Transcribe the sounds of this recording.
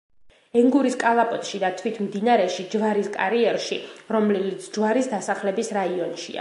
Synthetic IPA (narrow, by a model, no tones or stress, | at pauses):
ɛŋɡuɾiskʼalˠapʼɔt̪ʼʃid̪at̪ʰwit̪ʰmd̪inaɾɛʃid͡ʒvaɾiskʼa̰ɾiɛɾʃiɾɔmlɛlit̪sʰd͡ʒvaɾisd̪asaχlɛbisɾaiɔnʃḭa̰